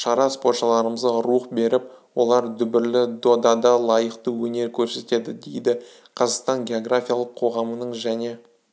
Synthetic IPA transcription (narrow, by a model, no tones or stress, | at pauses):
ʃɑɾɑspo̞rt̪ʃəɑlˠɑɾəməzd̪əɾuəqbe̞ɾɪp̚ | wo̞lˠɑɾd̪ʏbɪɾlɪd̪o̞d̪ɑd̪ɑlˠɑjəqt̪əwɵne̞ɾkʲʰɵɾse̞t̪e̞d̪ɪd̪e̞jd̪ɪ | qʰɑzɑqst̪ɑnɡʲe̞o̞ɡrafʲijalˠəqʰːo̞ʁɑmənəɴʒæne̞